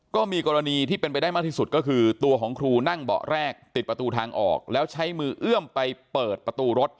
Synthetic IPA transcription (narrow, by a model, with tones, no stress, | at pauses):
kɔː˥˩miː˧kɔː˧ɾa˧niː˧t̪ʰiː˥˩pe˧npa˧jdaː˥˩jmaː˥˩kt̪ʰiː˥˩su˨˩t̪̚kɔː˥˩kʰɯː˧t̪u˧ɐkʰɔː˩˦ŋkʰɾuː˧na˥˩ŋbɔ̰˨˩ʔɾɛː˥˩k̚t̪i˨˩t̪̚pɾa˧t̪uː˧t̪ʰaː˧ŋʔɔ̰ː˨˩k̚lɛː˦˥wt͡ɕʰa˦˥jmɯː˧ʔɯ˥˩əmpa˧jpɤː˨˩t̪̚pɾa˧t̪uː˧ɾo˦˥t̪̚